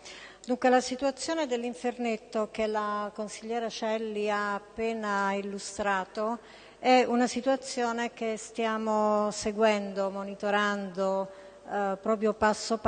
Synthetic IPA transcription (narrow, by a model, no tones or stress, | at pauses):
d̪uŋkwelasit̪uat̪sːjoːned̪elːiɱfernet̪ːok̟elakonsiʎːɛːɾat͡ʃɛlːiaːpːeːnailːust̪ɾaːt̪o | ɛunasit̪uat̪sːjoːnek̟est̪jaːmoseɡwɛnd̪omonit̪oɾand̪o | pɾɔːp̬ɾjopasːop